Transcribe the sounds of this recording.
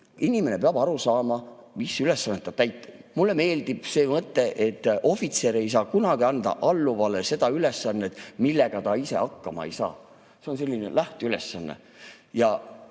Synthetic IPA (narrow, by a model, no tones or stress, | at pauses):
inʲime̞ne̞peɑb̥ɑɾusɑːmɑmisːyle̞sːɑnːet̪ːɑt̪æjt̪ːˑe̥mulːe̞me̞ːld̪̥ib̥se̞ːmɤt̪ːe̞ʔet̪ːo̞fit̪se̞ːɾe̞js̬ɑːkunɑɡ̥iɑnd̪̥ɑ̰ʔɑlːuvɑlese̞d̪̥ɑyle̞sːɑnːet̪ˑmilːe̞ɡ̥ɑt̪ɑise̞̰ɑkːɑmɑ̰ḛjsɑ̰ː | se̞o̞ns̬e̞lʲːinḛlæht̪eyle̞sːɑnːe̞̰ | jɑ